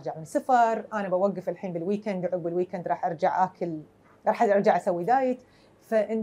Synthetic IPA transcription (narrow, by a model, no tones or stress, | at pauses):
ʔɾd͡ʒaʕmɪnsafɑɾˤʔanabawaɡːafɪlħiːnbɪlwiːkɛnd̪ʕʊɡbɪlwiːkɛnd̪ɾɑːħʔɑɾˤd͡ʒaʕʔakɪl | ɾˤɑːħʔaʔɑɾˤd͡ʒaʕʔasawːid̪aːjɪt̪ | faʔɪn